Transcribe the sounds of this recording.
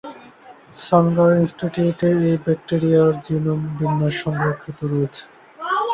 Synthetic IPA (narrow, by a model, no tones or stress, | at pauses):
saŋɡaɾinsʈiʈiʈeejbɛk̚ʈeɾijaɾd͡ʑinombinːaʃɔŋɡɾokʰːit̪oɾoet͡ɕʰe̥